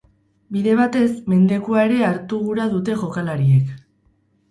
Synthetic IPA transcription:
biðe̞β̞at̪e̞sme̞nd̪e̞kuae̞ɾe̞aɾt̪uɣuɾaðut̪e̞ʝo̞kalaɾie̞k

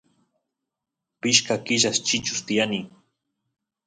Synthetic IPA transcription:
pɪʃkakɪʒast͡ʃɪt͡ʃʊ̥st̪ijani

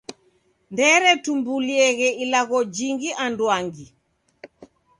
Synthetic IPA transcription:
ndɛɾɛtumbuliɛɣɛilaɣɔd͡ʒiŋɡiʔandwaŋɡi

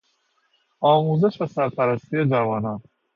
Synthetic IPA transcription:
ɒːmuːzeʃvæsæɾpʰæɾæst̪ijed͡ʒævɒːnɒn

